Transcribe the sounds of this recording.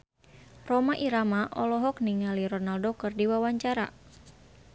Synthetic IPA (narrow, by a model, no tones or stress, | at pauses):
rɔmaʔiɾamaʔɔlɔɦɔk̚niŋaliɾɔnaldɔkərdiwawaɲt͡ʃaɾa̰